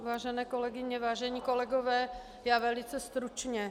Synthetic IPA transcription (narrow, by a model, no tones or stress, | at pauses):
vaːʒɛnɛːkolɛɡɪɲɛvaːʒɛɲiːko̞lɛɡovɛː | jaːvɛlɪt͡sɛst̪ɾut͡ʃɲɛ